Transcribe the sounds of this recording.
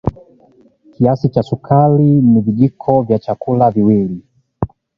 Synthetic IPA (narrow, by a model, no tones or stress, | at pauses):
kiasit͡ʃasukʰaliniviʄikʰɔvjat͡ʃakulaviwili